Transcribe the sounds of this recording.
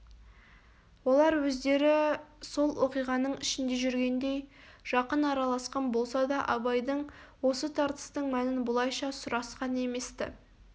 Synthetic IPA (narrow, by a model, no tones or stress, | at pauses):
wo̞lˠɑɾwɵzd̪e̞ɾɪso̞lˠwo̞qijʁɑnəɴɪʃɪnd̪e̞ʒʏɾɡʲe̞nd̪e̞j | ʒ̥ɑqənɑɾɑlˠɑsqɑnbo̞lˠsɑd̪ɑʔɑbɑjd̪əɴwo̞sət̪ʰɑɾt̪ə̥st̪əɴmænɪnbʊlˠɑjʃɑsʊɾɑsqɑne̞me̞st̪ɪ̰